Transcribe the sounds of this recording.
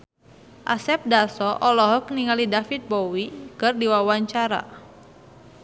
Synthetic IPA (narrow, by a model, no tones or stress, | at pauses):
ʔa̰sɛp̚dasɔʔɔlɔɦɔk̚niŋalidafit̪̚bɔwikɨrdiwawaɲt͡ʃaɾa̰